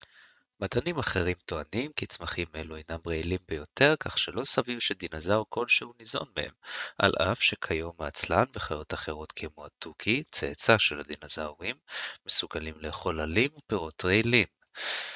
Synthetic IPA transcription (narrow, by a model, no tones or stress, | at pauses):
madanimaχe̞ʁimto̞animkit͡smaχimeluajnamʁeilimbejo̞te̞ʁkaχʃelo̞savivʃed̪inazawko̞lʃehunizo̞̰nmehe̞̰mʔa̰lʔafʃekʰajo̞maːt͡slanveχajo̞taχe̞ʁo̞tkʰemoatukʰit͡sḛt͡saʃelad̪inazawʁimːesuɡalimleχo̞lalimpiʁo̞tʁeilim